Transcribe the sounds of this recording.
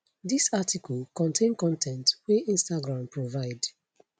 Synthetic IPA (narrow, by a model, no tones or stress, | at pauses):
disatʰikɔlkɔ̃ntʰẽnkɔ̃ntʰɛ̃ntwɛʔĩnstaɡɹãmpʰɹovaɪd